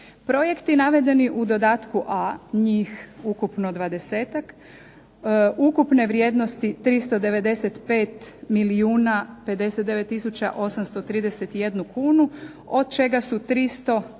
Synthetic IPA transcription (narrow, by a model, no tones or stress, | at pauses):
pɾo̞je̞kt̪inaʋe̞d̪e̞niʔud̪o̞d̪aːt̪kuʔaɲiːxukupno̞d̪ʋad̪e̞se̞ːt̪ak | ukupne̞ʋɾjed̪no̞st̪it̪ɾist̪o̞d̪e̞ʋe̞d̪e̞set̪pe̞ːt̪miliuːnape̞d̪e̞set̪d̪e̞ʋe̞t̪ːisut͡ɕa̰ʔo̞samst̪ot̪ɾiːd̪eset̪ije̞d̪nukʰuːnu | o̞d̪̚t͡ʃe̞ɡasut̪ɾist̪o̞